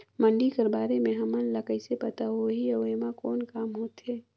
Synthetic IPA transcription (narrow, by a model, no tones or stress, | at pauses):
mə̃ɳɖikəɾbaːɾemẽɦɐmənləkəisepɐt̪aɦoɦiɐʋemãkɔːnkaːmɦoːt̪ɦɛː